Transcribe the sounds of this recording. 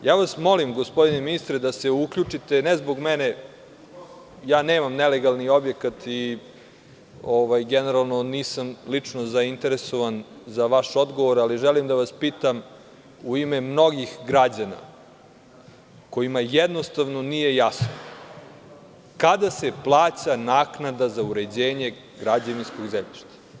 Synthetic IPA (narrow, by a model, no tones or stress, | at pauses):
jaːʋasmo̞limɡospo̞d̪ineminist̪ɾed̪ase̞ukʎut͡ʂit̪enezbo̞ɡmɛne | jaːneːmamneleɡalnio̞bje̞kat̪i | oʋajɡeneɾalˠnoniːsamlit͡ʂnozaint̪e̞ɾeso̞ʋanzaʋaʃo̞d̪ɡoʋoɾaliʒɛlimd̪aʋaspiːt̪am | uimemno̞ɡixɡɾad͡ʑana̰ | ko̞imajed̪nost̪aʋno̞nije̞jasno | kad̪aseplˠaːt͡ɕanaːknad̪azauɾe̞d͡ʑeːɲe̞ | ɡɾad͡ʑaninsko̞ɡzemʎḭʃt̪ḁ